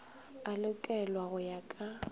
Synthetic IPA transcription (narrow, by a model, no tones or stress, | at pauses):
alʊkʼɛlwaɣʊjakʼa